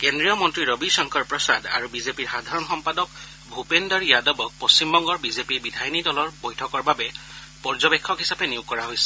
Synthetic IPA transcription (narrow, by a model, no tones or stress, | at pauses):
kendɹijɔmɔntɹiɹobisɔŋkʰɔɹpɹɔsada̰ɹubizepiɹxad̪ʱaɹɔnxɔmpadɔk | bʱupendɔɹijadɔbɔk̚post͡ɕimbɔŋɡɔɹbizepibidʱajnidɔlɔɹbojtʰɔkɔɹbabɛ | pɔɹzɔbekʰːɔkɦisapɛniʊkːɔɹaɦojsɛ̥